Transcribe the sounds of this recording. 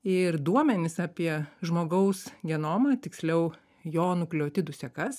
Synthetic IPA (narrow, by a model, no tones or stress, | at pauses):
ɪɾd̪uɔmʲɛnʲɪsɑːpʲiɛʒmoːɡɐʊsɡʲɛnoːmɑːt̪ʲɪksʲlʲɛʊ | joːnʊklʲoːt̪ʲɪd̪ʊsʲɛkɐs